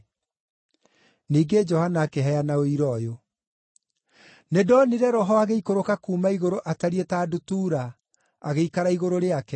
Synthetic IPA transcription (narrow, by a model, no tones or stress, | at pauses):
niːɡed͡ʒɔhanaːkeɦɛjanaoiɾɔjo | nedɔniɾɛɾɔɦɔaɣeikoɾokakuːmaiɣoɾoʔataɾietaːdotuːɾa | aɣeikaɾaiɣoɾoɾeakɛ